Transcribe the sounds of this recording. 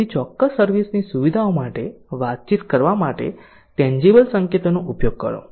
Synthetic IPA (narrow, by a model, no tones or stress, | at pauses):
it͡ʃɔkːəsːəɾʋisnisuʋid̪ʱaomaʈeʋat̪̚t͡ʃit̪kəɾʋamaʈḛ | ʈɛ̃ɲd͡ʒibəlsəŋket̪onoʔupjoɡ̚kə̰ɾo̰